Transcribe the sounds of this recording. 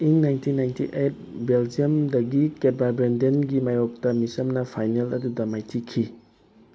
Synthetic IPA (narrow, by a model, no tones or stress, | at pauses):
iŋnajntʰinːajntʰiʔejt̚beld͡ʒijɐmdɐɡiked̚babɾendenɡimajok̚tɐmisɐmnɐpʰajnelɐdudɐmajtʰikʰi